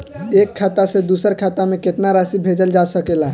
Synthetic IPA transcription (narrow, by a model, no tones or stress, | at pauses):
ekʰːat̪ased̪usəɾkʰat̪ameket̪naɾasibʱed͡ʒəld͡ʒasəkelaɦ